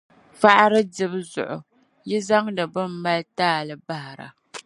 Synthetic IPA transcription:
fa˦ʔa˦ɾɨ˦dɪ˦bɨ˦zʊ̰˨ʔʊ˨ | jɪ˦za˦ŋdɨ˨bɨ˦m̩˦ma˦ltaː˦˨lɨ˨ba˦ha˨ɾa̰˨

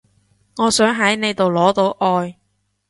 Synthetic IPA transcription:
ŋɔː˨˧sœː˨˥ŋɦɐ˨˥jne˨˧jt̪o˨wlɔː˨˥t̪o˨˥wʔɔː˧j

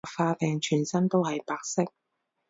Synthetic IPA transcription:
faː˧pɛː˨ŋt͡ʃʰyː˨˩nsɐ˥nt̪o˥whɐ˨jpaː˧k̚sɪ˥k̚

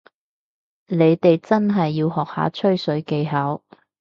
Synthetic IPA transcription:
ne˨˧jt̪e˨jt͡sɐ˥nɦɐ˨jːiː˧wɦɔː˨k̚ha̰ː˨˥t͡ʃʰɵ˥ɥsɵ˨˥ɥke˨˧jɦɐ˨˥w

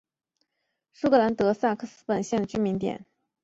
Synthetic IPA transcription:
ʂu˥˧kʰɤ˥˩la˧˥nt̪ɤ˧˥sa˥˩kʰɤ˥˩sɹ̩˥pə˨˩nɕjɛ˥˩nd̪ə˩t͡ɕy˥nmi˧˥nt̪jɛ̰˨˩˦n

